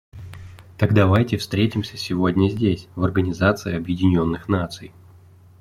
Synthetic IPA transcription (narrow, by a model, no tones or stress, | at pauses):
t̪aɡd̪avajtʲɪfst̪ɾʲetʲɪmsʲə̥sʲɪvo̞dʲnʲəzʲdʲesʲvɐrɡənʲɪzat̪sɨɪɐbjɪdʲɪnʲo̞nːɨxnat̪sɨj